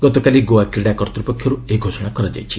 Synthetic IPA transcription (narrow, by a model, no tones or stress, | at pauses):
ɡʌt̪okaliɡowakɾiɽakʌrt̪ɾupɔkʰːjʌɾueiɡʱosʌɽ̃akʌɾad͡ʒa̰jt͡ʃʰi̥